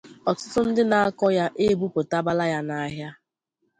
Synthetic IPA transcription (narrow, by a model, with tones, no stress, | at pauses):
ɔ˨tʊ˦tʊ˦n̩˦dɪ˦na˨a˦kɔ˦ja˦ʔe˦˨bu˦pʊ˨ta˦ba˦la˦ja˦na˨a˦ɦja˦